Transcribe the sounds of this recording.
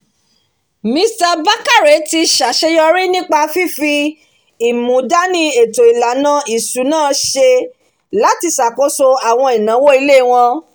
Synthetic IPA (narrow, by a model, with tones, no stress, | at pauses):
mĩ˧˦sta˧ba˦ka˦˨ɾe˨˦ti˧ʃa˨ʃe˧jɔ˧ɾi˦nĩ˦k͡pa˧fi˦fi˧ | i˨mũ˨˦da˦nĩ˧˦e˨to˨i˨la˨nã˧˦i˨su˨˦nãː˦˨˦ʃe˧ | la˨˦ti˧sa˨ko˨˦so˧a˨w̃ɔ̃˧i˨nã˨˦wo˦i˧le˦˨w̃ɔ̃˧